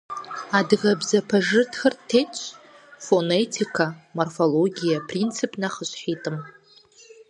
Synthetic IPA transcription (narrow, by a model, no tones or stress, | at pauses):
adɣabzapʰaʐɨtʰxərtʰːejt͡ʃʷʰ | fo̞netʰikʰamorfo̞lo̞ɡʲijapʰrint͡sʰɨpʼnaχəʃʷħitʼɨm